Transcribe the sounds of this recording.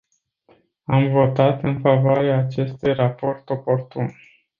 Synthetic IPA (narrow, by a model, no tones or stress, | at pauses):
amvo̞t̪at̪ɨnfavoaɾeaːt͡ʃe̞st̪ujrapo̞rt̪o̞po̞rt̪un